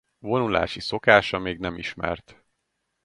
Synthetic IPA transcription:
vo̞nula̰ːʃiso̞kaːʃɒmeːɡnɛmiʃmɛ̰rt̪

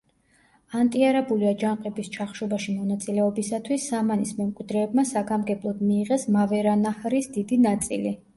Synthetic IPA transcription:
ant̪ʼiaɾabuliad͡ʒaɴqʼɛbist͡ʃʰaχʃɔbaʃimɔnat̪sʼilɛɔbisat̪ʰwisːamanismɛmkʼwid̪ɾɛːbmasaɡamɡɛblˠɔd̪miːʁɛsmavɛɾanahɾisd̪id̪inat̪sʼḭli

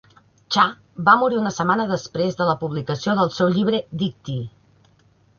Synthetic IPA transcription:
t͡ʃa | bamuɾiunəsəmanəðəspɾezðələpuβlikəsioðəlˠsɛwʎiβɾəd̪ik̚t̪i

